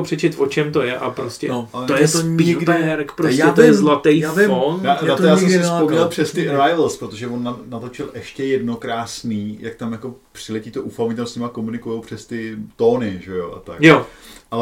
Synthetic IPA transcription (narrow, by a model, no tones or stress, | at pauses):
opr̝̥ɛt͡ʃɪt̪vot͡ʃɛmt̪o̞jɛʔa̰pɾoscɛ̰nɛt̪ojɛst̪oɲiɪɡdɛɾkpɾosɛt̪ojɛzlat̪ɛjjfvɪonadat̪jjaːsɛmsɛspomɲɛlpr̥ɛst̪ɪɾajlspɾot̪oʒɛvonːanat̪o̞t͡ʃɪlʔɛʃcɛjɛdnokɾaːsniːjak̚t̪amjako̞pr̥ɪlɛciːt̪oʔufamit̪amsɲɪmakomunɪkujowpr̝̥ɛst̪ɪt̪oːnɪʒɛjoʔa̰t̪akjoʔa